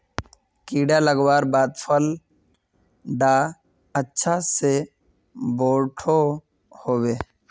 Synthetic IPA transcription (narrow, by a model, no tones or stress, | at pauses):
kiːɖaləɡwaːɾbaːd̪pʰəl | ɖaː | ətːʃʰase | boːʈʰo | hoːweː